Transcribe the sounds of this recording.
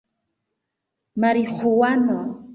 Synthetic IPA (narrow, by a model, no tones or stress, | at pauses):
maɾiχʊwano